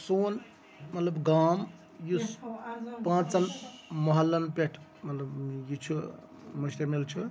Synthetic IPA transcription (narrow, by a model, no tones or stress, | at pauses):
soːn | mɐt̪lɐbɡaːm | ju | pãːt͡sɐnmɐɦɐlːɐnpeʈʰ | mɐt̪lɐbjut͡ʃʰu | mɐst̪ɐɾmilt͡ʃʰu